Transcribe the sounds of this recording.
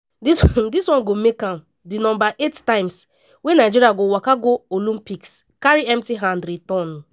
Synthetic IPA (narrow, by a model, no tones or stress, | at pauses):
disdiswɔ̃nɡomekãm | dinɔ̃mbaʔettãɪ̃ms | wenaɪd͡ʒiɾiaɡowakaɡoolĩmpikskaɾiɛmtiɦãndɾitɔ̃n